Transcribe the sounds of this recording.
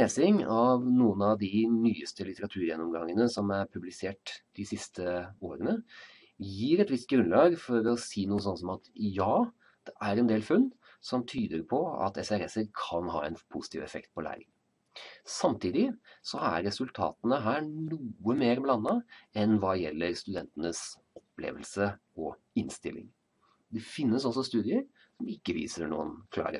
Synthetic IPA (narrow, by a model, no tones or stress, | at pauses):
eːsɪŋɑʋnuːənɑʋd̪ɪnyːəst̪əlɪt̪əɾɑt̪ʰʉːɾjɛnːɔmɡɑŋːənəsɔmæɾpʰʉblɪseːʈd̪̥ɪsɪst̪ʰəoːɾənə | jiːɾɛt̪ʋɪst̪̚ɡɾʉnlɑːɡfɔɾɔsiːnuːəs̬ɔnːsɔmɑt̪jɑː | d̪̥ɛʔæɾɛnd̪eːlfʉnː | sɔmt̪ʰyːd̪əɾpʰɔɑ̰t̪ɛsɛɾɛsəɾkʰɑnɦɑ̰ːɛ̰npʰʊsɪt̪ʰiːʋɛfɛ̰kt̪̚pʰɔlæ̰ːɾɪ̰ŋ | sɑmt̪ʰiːd̪ɪsɔæ̰ɾɾɛsʉlt̪ʰɑ̰ːt̪ənəɦæːɳuːəmeːɾblɑnːɑɛnʋɑːjɛlːəɾst̪ʉd̪ɛnt̪ənəs | ɔpːlḛːʋəlsə | ɔ | ɪnst̪ɪlːɪ̰ŋ | d̪ɛfɪnːəsɔsːɔst̪ʉːd̪ɪəɾ | sɔmɪkːəʋḭːsəɳṵːə̰nkʰlɑ̰ːɾə̰